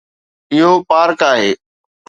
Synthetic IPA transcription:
ɪɦoːpaːɾkaːɦeː

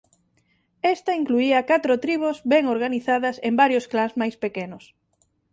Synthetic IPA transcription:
est̪ɐiŋkluiɐkat̪ɾot̪ɾiβ̞ozβɛŋoɾɣaniθaðɐsembaɾjosklazmajspekenʊs

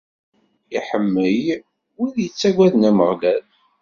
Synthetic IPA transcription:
iħəmːəj | wiðjət͡sːæɡʷæðnæməʁlæð

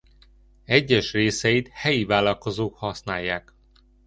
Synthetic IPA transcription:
ɛɟːɛʃreːsɛjit̪hɛjivaːlɒlko̞zoːkhɒsnaːjːaːk

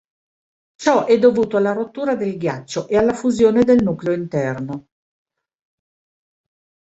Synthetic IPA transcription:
t͡ʃɔʔɛd̪ːovuːt̪oalːaɾot̪ːuːɾad̪elɡjat͡ʃːoʔealːafuzjoːned̪elnuːkleoint̪ɛrno

